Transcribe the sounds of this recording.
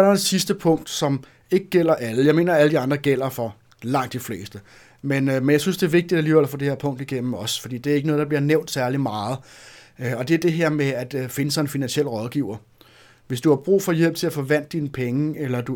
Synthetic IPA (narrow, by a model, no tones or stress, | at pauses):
ɾɑd̥esisd̥əpʰɔ̽ŋ̰d̥sɒ̽m | e̝ɡ̥əɡ̥el̰ɐʔæləjɑɪme̝̰ːnɐæləd̥iɑ̈nd̥ʁɐɡ̥el̰ɐfɒ̽ | lɑ̈ŋ̰d̥ifle̝̰ːsd̥ə | menmenjɑɪsynsd̥e̝æɐʋe̝ɡ̥̚d̥id̥æliːʋel̰ɐfɒ̽d̥e̝heɐpʰɔ̽ŋ̰d̥iɡ̥en̰m̩ɒ̽sfɒd̥ḭːd̥e̝æɐeɡənɔðˠdɑ̈bliɐneʊ̰nd̥sæɐlimɑ̈ːð̞̩ˠ | ɒ̽d̥e̝æɐd̥e̝ɦeɐ̰meæd̥fe̝nəsɑ̈ɪ̝nfinænsiel̰ʁɒ̽ðˠɡ̥iʊɐ | ʋe̝sd̥uhɑ̈b̥ʁṵːfɒ̽jel̰b̥t͡sʰe̝læfɒ̽ʋæn̰d̥iːnəpʰeŋəelɐd̥u